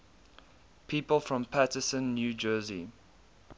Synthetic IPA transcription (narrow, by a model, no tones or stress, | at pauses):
pʰiːpəlˠfɹɔ̃mpʰatɪsə̃nːjuːd͡ʒɜːzi